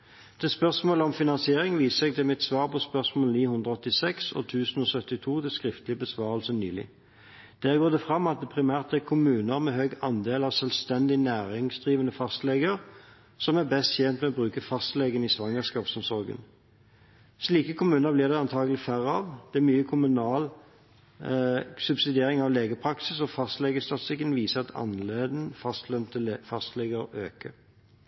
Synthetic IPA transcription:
d̪̥ɛːspœʁsmoːləɔmfɪnɑnsɪeːʁɪŋʋiːsəsɛɡ̚d̪ɛmɛt̪sʋɑːʁpʰɔspœʁsmoːlniːhʉnd̪ʁəɔt̪ːɪsɛksɔ̰t̪ʰʉːsənoːsœt̪ːɪt̪ʰuːt̪ɪskʁɪft̪lɪbəsʋɑːʁəlsəny̰ːlɪ̰ | d̪̥æːʁɡoːd̪ɛfʁɑmːɑt̪̚d̪ɛpʰʁɪmæːʁt̪̚ɛkʰʊmʉːnəʁmɛɦøɡɑnd̪eːlɑːʋsœlst̪ɛnd̪ɪnæːʁɪŋsd̪ʁiːʋənəfɑst̪lɛɡəʁ | sɔmæʁbɛst̪çɛnt̪mɛɔbʁʉːkəfɑst̪leːɡənisʋɑŋːəskɑːpsɔmsɔʁɡə̰n | sliːkəkʰʊmʉːnəʁblɪʁd̪ɛɑnt̪ʰɑːɡəlɪfæʁɑʋd̪̥ɛæmyːəkʰʊmʉnɑːl | sʉbsɪd̪eːʁɪŋɑʋleːɡəpʰʁɑksɪsɔfɑst̪leːɡəst̪ɑt̪st̪ɪkənʋiːsəɑt̪ʰɑ̰nleːd̪n̩fɑst̪lɛnt̪əfɑst̪lɛɡəʁøːkə̰

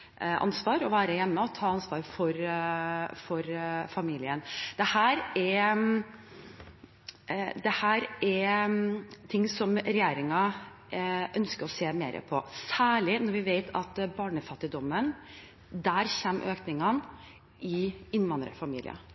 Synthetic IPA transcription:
ʔɑ̰nsʋɑːɾɔʋæːɾəjɛmːəɔt̪ʰɑːɑnsʋɑːɾfɔɾ | fɔɾfɑmiːlɪənd̪̥ɛhæːɾɛ | d̪ɛhæːɾɛ | t̪ʰɪŋsɔmɾɛjeːɾɪŋɑ | ʔœnskəɾɔseːmeːɾʔə̰pʰɔsæːɭɪnɔɾʋɪʋeɪt̪ʰɑt̪bɑːɳəfɑt̪ːɪd̪ɔmːən | d̪æːɾçɛːmːʔøːknɪŋɑn | ɪɪnʋɑnd̪ɾə̰fɑmḭːlɪ̰ɑ̰

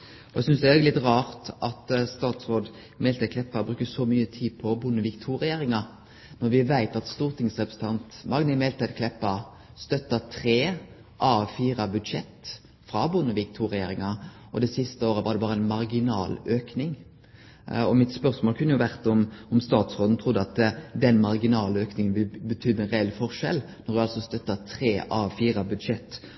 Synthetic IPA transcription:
ɔʔɛɡsʏnsd̪ɛɛɡlɪt̪ʁɑːɾt̪ʔɑt̪st̪ɑːt̪sʋoːd̪ | mɛːlt̪ɪkʰlɛpːɑbɾʉːkəsɔmyːət̪ʰiːd̪pʰɔbʊnːəʋɪkt̪ʰuːɾɪjeːɾɪŋɑ | nɔɾʋɪʋæɪt̪ɑt̪st̪uːʁt̪ʰɪŋsʁɛpɾəsət̪ʰɑnt̪mɑŋnəmɛːlt̪ʰɛɪd̪kʰlɛpːɑ | st̪œt̪ːət̪ʰʁeː | ʔɑːfiːɾɑbʉd̪ʂɛt̪ː | fɾɑbʊnːəʋɪk̚t̪ʰuːʁɛjeːɾɪŋɑ | ɔd̪ɛsɪst̪əoːɾəʋɑd̪ɛbɑːʁəæɪnmɑʁɡɪnɑːløːknɪŋ | ɔmɪt̪spœɾsmoːlkʰʉnːəjʊʋæʁt̪ɔmɔmst̪ɑːt̪sʁoːd̪n̩t̪ʰʁʊd̪ːəɑt̪d̪ɛnmɑʁɡɪnɑːløːknɪŋənʋɪlbət̪ʰyːd̪ənʁɛɛlfɔʁʂɛ̰lnɔɾd̪ʉɑlsɔst̪œt̪ːɑt̪ʰʁeːʔɑːfiːɾɑbʉd̪ʂɛt̪ː

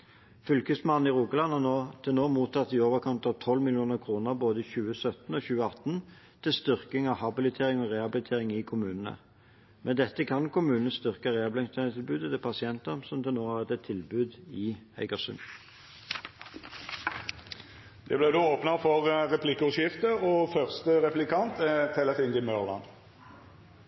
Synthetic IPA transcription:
fʏlkəsmɑnn̩ɪʁuːkəlɑnhɑːnoːt̪ʰɪlnoːmuːt̪ʰɑt̪ːioːʋəʁkʰɔnt̪ɑʋt̪ʰɔlmɪljuːnəʁkʰʁuːnəʁboːd̪əɪçʉːəsœt̪n̩oːçʉːəɑt̪ːn | t̪ʰɪlst̪ʏʁkɪŋɑʋhɑbɪlɪt̪ʰeːʁɪŋɔʁeːhɑbɪlɪt̪ʰeːʁɪŋɪkʰʊmʉːnənə̰ | mʔɛd̪ɛt̪ːəkʰɑnkʰʊmʉːnənəst̪ʏʁkəʁeːɑblɪɪŋst̪ʰænət̪ʰɪlbʉːd̪ət̪ɛpʰɑsɪɛnt̪əsɔmd̪ɛnoːɑʁɛt̪ɛt̪ʰːɪlbʉːd̪ɪ | æ̰ɪɡəʁsʉ̰m | d̪̥ɛblɛd̪uːoːpnəfɔʁʁɛpʰlɪkːəʉʃɪft̪əɔfœʁst̪əʁɛplɪkʰɑnt̪ʰɛt̪ʰɛləfiːnd̪ɪmœʁlɑ̰n

